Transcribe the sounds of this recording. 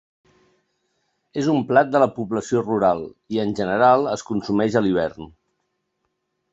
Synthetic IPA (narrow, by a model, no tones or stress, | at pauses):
ezumplat̪̚d̪ələpuβləsioruɾalˠiənʲʒənəɾalˠəskunsumɛʒəliβ̞ɛrn